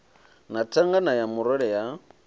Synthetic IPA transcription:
natʰaŋɡanajamʊɾɔɺɛja

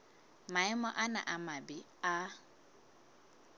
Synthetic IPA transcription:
maɪmɔʔana̰ʔamabɪ | a

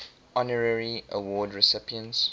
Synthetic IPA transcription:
ɔnəɹəɹiʔə̰wɔːdɹɪsɪpiə̃ns

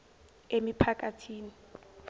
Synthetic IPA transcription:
emipʰakʼatʰiːni

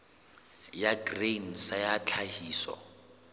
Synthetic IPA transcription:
jaɡren̩sajat͡ɬʰahiːsɔ̰

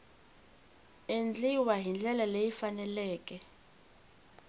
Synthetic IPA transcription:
end͡ɮiwaɦind͡ɮʱɛlalejifanɛlɛːkʼɛ

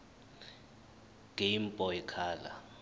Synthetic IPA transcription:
ŋʱeim̩pʼɔɛkʰaːla̰

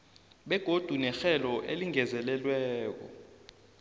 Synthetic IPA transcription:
ɓɛɡ̥ʱod̥ʱunɛxɛlɔʔeliŋɛzɛlɛlwɛːk̬ɔ̰

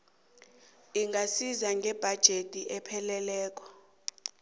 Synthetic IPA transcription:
iŋɡʱasizaŋɡʱɛb̥ʱad̥ʒ̥ʱetʼiʔɛpʰɛlɛlɛːk̬ʼɔ̥

